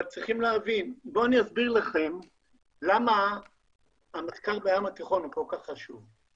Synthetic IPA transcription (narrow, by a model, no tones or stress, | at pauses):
valt͡sʁiχimleavinbo̞aniasbiʁlaχe̞m | lama | mat̪kalbejamat̪iχo̞nukolkaχːaʃuv